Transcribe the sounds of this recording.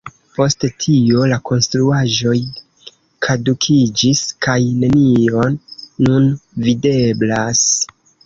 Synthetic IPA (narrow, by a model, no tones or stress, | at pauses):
po̞sttʰio̞lakʰo̞nstɾuaʒo̞j | kʰadukʰid͡ʒiskajne̞nio̞nːunvide̞blas